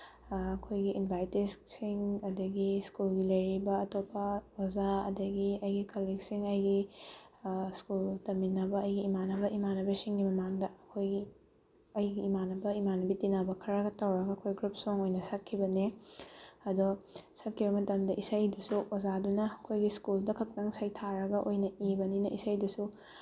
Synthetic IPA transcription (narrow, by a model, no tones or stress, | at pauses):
ɐkʰojɡiʔinbajtisksiŋɐdɐɡiskulɡilɐjɾibɐɐtopːɐwɐzaɐ̰dɐɡiɐjɡikʰaliksiŋɐjɡi | skultɐminɐbɐɐjɡiːmanɐbɐʔimanɐbɐsiŋɡimɐmaŋdɐɐkʰojɡi | ɐjɡiːmanɐbɐimanɐbitinabɐkʰɐɾɐɡɐtɐwɾɐɡɐɐkʰojɡɾup̚soŋojnɐsɐkʰːibɐne | ɐdosɐkʰːibɐmɐtɐmdɐʔisɐjdusuwɐzadunɐɐkʰojɡiskuldɐkʰɐk̚nɐŋsɐjtʰaɾɐɡɐʔojnɐʔibɐninɐʔḭsɐjdusu